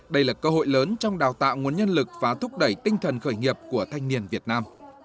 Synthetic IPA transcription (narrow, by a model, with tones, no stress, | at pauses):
ɗə˧jlaː˨˩kəː˧ɦo̰˧˨jləː˨˦nt͡ɕɔ˧wŋ͡mɗaː˨˩wt̪a̰ː˧˨wŋu˨˩ənɲə˧nlɨ˨˩k̚vaː˨˩t̪ʰʊ˦˥k͡p̚ɗə˧˩jt̪ï˧ŋ̟t̪ʰə˨˩nxəː˧˩jŋi˨˩əp̚ku˧˩ət̪ʰa˧jŋ̟ni˨˩ənvi˨˩ət̚naː˧m